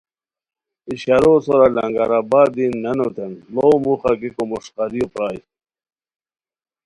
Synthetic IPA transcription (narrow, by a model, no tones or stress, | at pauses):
iɕaɾosoɾalɐ̰ŋɡaɾabaːd̪inːɐnot̪enlomuχɑɡikomuʂqɑɾiopɾɑːj